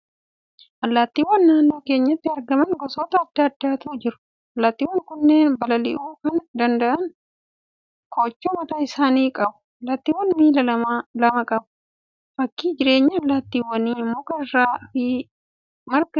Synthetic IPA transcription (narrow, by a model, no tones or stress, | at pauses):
ʔɐlːaːt̪ːiːwːɐnːaːnːo̞ːke̞ːɲːɐt̪ːɪɐɾɡɐmɐŋɡɔsoːt̪ɐɐd̪ːɐːd̪ːaːt̪uːd͡ʒɪɾʊ̥ | ɐlːaːt̪ːiːwːɐŋkʊnːeːnbɐlɐlɪ̰ʔuːkɐnd̪ɐnd̪ɐʔɐn | kʰoːt͡ʃːomɐt̪aːɪsaːniːkʼɐbʊ̥ɐlːaːt̪ːiːwːɐnmiːlɐɐmalɐmɐkʼɐbʊ̥ | fɐkːiːd͡ʒɪɾe̞ːɲːɐːlːaːt̪ːiːwːɐniːmːoːkɐɪrːaːfɪ | mɐɾkɐ